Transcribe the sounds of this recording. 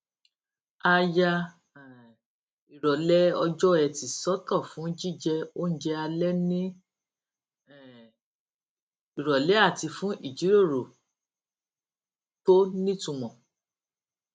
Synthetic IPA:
a˧ja˧˨ | i˨ɾɔ˨lɛ˦ɔ˧d͡ʒɔ˦ɛ˨ti˨sɔ˦kɔ˦˨fũ˨˦d͡ʒi˦˨d͡ʒɛ˧o˦n̩˦d͡ʒɛ˧˦a˧lɛ˦nĩ˦ | ɛ˨ | i˨ɾɔ˨lɛ˨˦a˦˨ti˧fũ˨˦ʔi˦˨d͡ʒi˨˦ɾo˦˨ɾo˨ | to˦nĩ˦tũ˧mɔ̃˨

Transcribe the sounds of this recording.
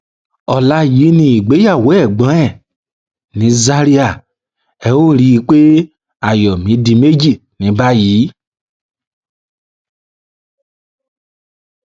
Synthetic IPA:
ɔ˨la˦ji˨˦nĩ˧˦i˨ɡ͡be˨˦ja˦˨wo˨˦ɛ˦˨ɡ͡bã˨˦ɛ˦˨ | nĩ˨˦za˦ɾi˦a˦˨ | ɛ˧˦o˦ɾi˦˧˦k͡pe˦ | a˦˨jɔ˨mĩ˨˦dĩ˧me˦d͡ʒi˦˨ | nĩ˨˦ba˦ji˨˦

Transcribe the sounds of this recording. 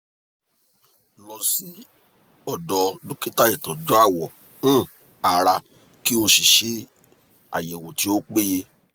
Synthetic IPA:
lɔ˨si˨˦ | ɔ˦˨dɔ˨˦dõ˦ki˦ta˦˨i˨tɔ̃˨d͡ʒɔ˨˦a˦˨wɔ̃˨˦˨ | a˨ɾa˧ | ki˦o˧ʃi˨ʃe˦ | a̰˨jɛ˨wo˨ti˨˧˦o˦k͡pe˦je˧

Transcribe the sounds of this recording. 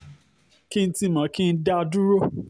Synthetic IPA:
ki˦n̩˦ti˦˨mã˨˦ki˦n̩˦da˦˧du˦ɾo˦

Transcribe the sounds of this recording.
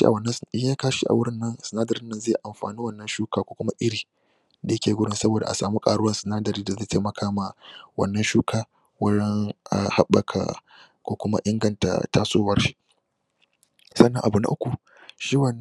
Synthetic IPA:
i˦ʔa̰˨wɐ˨nːɐ˦a˦kaː˦ʃḭ˦ʔa̰˨wʊ˦ɽɪ˦nːɐ˦nsɪ˨naː˦dɐ˨ɾɪ˦nːɐ˦nzeː˦˨ʔa˨mɸa̰ː˨niː˦wɐ˦˨nːɐ˦nʃuː˦kaː˦˨kʷoː˦kʷʊ˦ma˦ʔɪ˦ɽiː˨ | da˨jɐ˦kʲeː˨ɡʷʊ˦ɽɪ˦nsɐ˦boː˨da˨ʔa̰˨saː˨mu˦kʼaː˨ɽʊ˦wɐ˦nsɪ˨naː˦dɐ˨ɾiː˦da˨zeː˦˨tʰeː˦mɐ˨kʰaː˦ma˨wɐ̰˨nːɐ˦nʃuː˦kʰaː˦ | wɐ˦ɽɛ˦ŋa̰˨ha˦ɓːɐ̰˨kʰa̰˨ | kʷoː˦kʷʊ˦ma̰˦ʔɪ˦ŋɡɐ˨nta̰˨taː˦soː˦wɐ˦rʃi˦ | sɐ˦nːɐ̃˨ʔa˨bu˨na̰˨ʔʊ˦kʷu˨ | ʃiː˦wɐ˨nː

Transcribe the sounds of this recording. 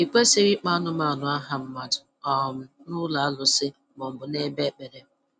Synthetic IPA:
i˨kʷe˦sɪ˦ɾi˦k͡pa˦nʊ˦ma˨nʊ˨a˦ɦa˨m̩˦ma˨dʊ˨ | ɔ˨m̩˨nʊ˦la˨a˦lʊ˨sɪ˦ | mɔ˨m̩˨bʊ˨ne˦be˦k͡pe˨ɾe˦

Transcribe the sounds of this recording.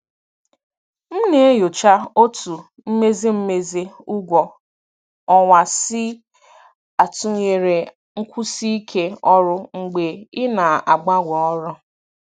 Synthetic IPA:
m̩˦ne˨e˦jo˨t͡ʃa˦o˦tu˨ | m̩˦me˦zi˦m̩˦me˦ze˦ʊ˦ɡʷɔ˨ | ɔ˨wa˨sɪ˦ | a˨tu˦ɲe˨ɾe˨ | ŋ̩˦kʷu˦si˦i˦kʰe˦ɔ˦ɾʊ˦ŋ̩˨ɡ͡be˨ɪ˦na˨a˨ɡ͡ba˦ɡʷɔ˨ɔ˦ɾɔ˦

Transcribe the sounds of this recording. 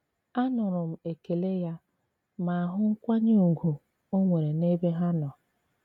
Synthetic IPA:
a˦nʊ˨ɾʊ˨m̩˨e˨ke˨le˦ja˦ | ma˨a˨ɦʊ˦ŋ̩˦kʷa˦ɲe˦u˨ɡu˨ | o˦ŋʷe˨ɾe˨ne˦be˦ɦa˦nɔ˨

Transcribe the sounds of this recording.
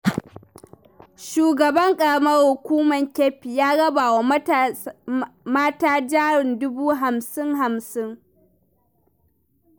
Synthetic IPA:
ʃuː˨ɡɐ˨bɐ˦ŋkʼɐ˨ɽɐ˦mɐ˦rhʊ˨kʷuː˦mɐ˨ŋkʲeː˦ɸi˨jaː˦ɽɐ˦baː˨wa˦ | maː˦taː˦d͡ʒaː˦ɽɪ˨ndʊ˦buː˦ɦa˨msɪ˦ŋɦa˨msɪ˦ŋ

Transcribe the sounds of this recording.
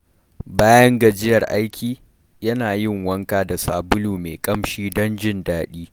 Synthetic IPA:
baː˦jɐ˦ŋɡɐ˨d͡ʒɪ˦jɐ˨rʔa˦jkʲiː˨ | jɐ˦naː˨jɪ˦˨ŋwɐ˦ŋkaː˨da˨saː˨bʊ˦luː˨meː˨kʼɐ˦mʃiː˦dɔ˦nd͡ʒɪ˦ndaː˦ɗiː˦

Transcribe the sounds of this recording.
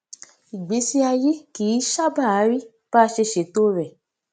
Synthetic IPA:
i˨ɡ͡be˨˦si˦a˧je˦kiː˨˦ʃa˦ba˦˨a˨˦ɾi˦ | b̥a˦˧ʃe˧ʃe˨˦to˦ɾɛ˦˨

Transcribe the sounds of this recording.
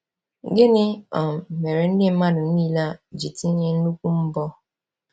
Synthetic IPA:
ɡɪ˦nɪ˦ɔ˨me˨ɾe˨n̩˦dɪ˦m̩˦ma˦dʊ˨n̩˦i˦la˦˨d͡ʒi˨ti˦ɲe˦n̩˦nu˦kʷu˦m̩˦bɔ˦

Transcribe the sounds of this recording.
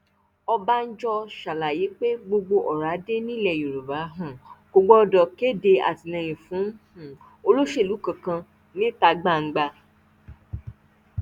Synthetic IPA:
ɔ˧ba˦n̩˦d͡ʒɔ˧ʃa˨la˨ji˨˦k͡pe˦ɡ͡bo˧ɡ͡bo˧ʔɔ˨ɾa˨˦de˦nĩ˦˨lɛ˦˨ju˨ɾu˨ba˨˦ɦũ˦˨ɡ̥o˧ɡ͡bɔ˦ɔ˧dɔ˨ke˦˨de˧a̰˨ti˨nɛ̃˧˨j̃ĩ˨fũ˨˦hũ˨ | o˧lo˦ʃe˦˨lu˨˦kã˨kã˧ | nĩ˦ta˧ɡ͡ba˦˨ŋ̩˦ɡ͡ba˧

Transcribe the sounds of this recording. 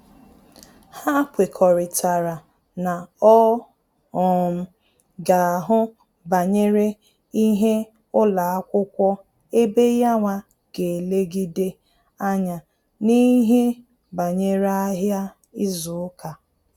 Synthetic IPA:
ha˦kʷe˨kʰɔ˨ɾɪ˨ta˨ɾa˨ | na˨ɔ˦ | ɔ˨m̩˨ | ɡa˨a˨ɦʊ˦ | ba˨ɲe˦ɾe˦ | i˦ɦe˦ | ʊ˦la˨a˦kʷʊ˦kʷɔ˦ | e˦be˦ja˦ŋʷa˨ | ɡ̥e˨le˦ɡi˦de˦ | a˦ɲa˨ | ni˦ɦe˦ | ba˨ɲe˦ɾa˦ɦja˦ | i˦zʊ˨˦ka˨

